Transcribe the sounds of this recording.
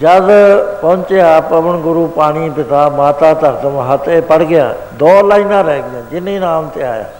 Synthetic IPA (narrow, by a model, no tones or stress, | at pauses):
d͡ʒəzpɔʊ̃ɲt͡ʃjaːpəʋəɳɡʊɾuːpaːɽ̃iːpɪt̪aːmaːt̪aːt̪əɾt̪əmãɦət̪eːpəɽɡɪja̰ː | d̪ɔːlaːĩːnaːɾɛeɡɪãːd͡ʒɪnĩːnãːmt̪eːa̰ːja̰ː